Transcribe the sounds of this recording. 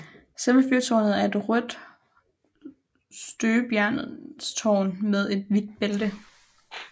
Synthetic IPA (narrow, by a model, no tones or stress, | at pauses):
seməfyɐt͡sʰɒːnð̩ˠæɐe̝d̥ʁœd̥ | sd̥øːb̥jæɐ̰n̩ˠst͡sʰɒ̰ːnmeð̞ˠe̝d̥̚ʋid̥̚b̥eld̥ə